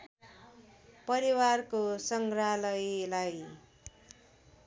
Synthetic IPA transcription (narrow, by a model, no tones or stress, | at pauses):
pʌɾiwarkosʌŋɡɾalʌjlaj